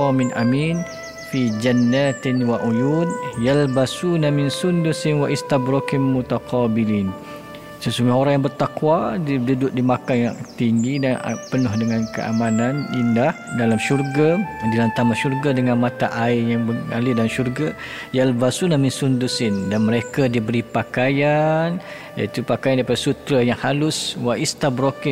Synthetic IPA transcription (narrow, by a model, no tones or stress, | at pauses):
ɔmɪnʔa̰miːn | fid͡ʒanːat̪nwaʔujuːdjalbasunamɪnsundusɪnwaʔist̪abɾɔkɪmːut̪aqʰɔbiliːn | səsuŋɡʊɦoɾaŋjaŋbərt̪akwaddudʊt̪̚dimakanjaŋt̪iŋɡidan̰pənʊhdəŋankə̰ʔa̰mananindahdalamʃurɡadilant̪amaʃurɡadəŋanmat̪aʔaɪjaŋbəa̰lɪdalamʃurɡa | jaləbasunaminsundusɪndanməɾekadibəɾipakajan | ja̰it̪upakajandaipadasut̪ɾajaŋhalʊswaist̪abɾokɪ